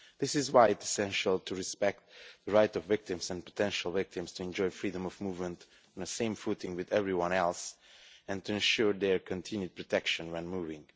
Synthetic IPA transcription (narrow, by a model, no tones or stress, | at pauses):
ðɪsɨzwaɪɨtsi̥sɛ̃nʃəlˠtʰuɹɨspɛk̚t̪ðəɹaɪtʌvːɪk̚tɪ̃mzɛ̃npə̥tʰɛ̃nʃəl̩ˠvɪk̚tɪ̃mstʰuɛ̃nd͡ʒɔɪfɹidə̃mʌvmuvmə̃nt | nəsẽɪ̃ɱfutɪ̃ŋwɨðɛvɹiwʌ̃nɛlˠsɨ̃ntuɨ̃nʃuɹðɛɹkʰɨ̃ntʰɪ̃njʉd̚pʰɹɔtʰɛkʃɨ̃nwɛ̃nmuvɪ̃ŋ